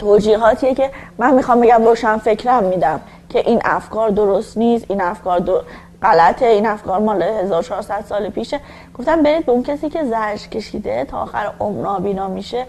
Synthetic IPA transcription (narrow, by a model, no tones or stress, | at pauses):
t̪ʰoːd͡ʒiːɦɒːt̪ʰiːjece̞mænmixɒmbe̞ɟæmɾoːʃænfe̞cʰɾæmːiːd̪æm | cʰe̞ʔiːnʔæ̰fkʰɒːɾd̪o̞ɾost̪niːst̪inæfkɒːɾd̪o | ɢælæt̪ʰe̞iːnæfkʰɒːɾmɒːlehe̞zɒːɾot͡ʃʰɒːɾsæd̪̥sɒːlepʰiːʃe | ɡ̥oft̪æmbe̞ɾiːd̪̚be̞uncʰesiːcʰe̞zæɾd͡ʒcʰe̞ʃiːd̪e̞t̪ʰɒ̰ːxæ̰ɾomnɒːbiːnɒːmiʃe